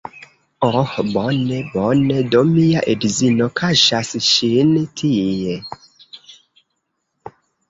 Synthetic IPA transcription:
ɔhbɔnɛbɔnɛdomijaʔedzinokʰaʃasʃintʰije

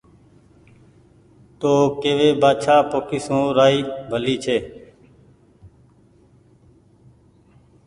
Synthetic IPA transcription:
t̪oːkeːʋeːbaːt͡ʃʰaːpoːkʰiːsõːɾaːiːbʱəliːt͡ʃʰeː

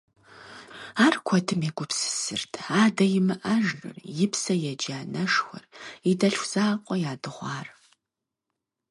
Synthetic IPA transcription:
aːrkʷʰɔdʰɨmeɡʷʊpsɨ̥sɨrtʰaːdɐjɪmɨʔɐʒrɨ̰rjɪpsɐjɛd͡ʒaːnɐʂxʷɐ̰ridɐɬxʷz̥aːqʷʼɔjaːdɨʁʷɑːr

